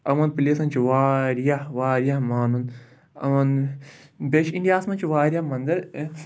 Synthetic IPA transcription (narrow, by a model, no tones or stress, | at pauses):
ɐmɐnpilesɐnt͡ʃʰiʋaːɾijaʋaːɾijamaːnun | ɐ̰wɐn | beːʃiɳɖijaːsmɐnt͡ʃʰiʋaːɾijaːmɐnd̪ɐɾ